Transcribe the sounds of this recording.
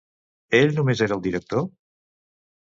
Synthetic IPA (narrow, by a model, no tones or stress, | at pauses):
eʎnumezeɾəːlˠd̪iɾək̚t̪o